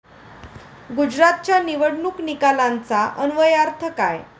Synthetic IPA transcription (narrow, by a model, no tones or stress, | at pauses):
ɡud͡ʑɾat̪̚t͡ɕjaniʋəɽɳuknikalãnt͡saʔənʋəjaɾt̪ʰəkaj